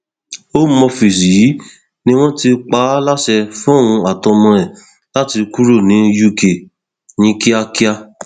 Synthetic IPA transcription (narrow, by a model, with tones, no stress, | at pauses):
o˦mɔ˧fi˨si˨ji˨˦ | nĩ˦w̃ɔ̃˦ti˧k͡pa˨˦la˦˨ʃɛ˧fũ˦˨w̃ũ˧a˨tɔ˧mɔ̃˧ɾɛ˨ | la˦ti˧ku˦ɾo˦˨nĩ˨˦ju˦˨ke˨ | nĩ˨˦ki˦a˧ki˦a˧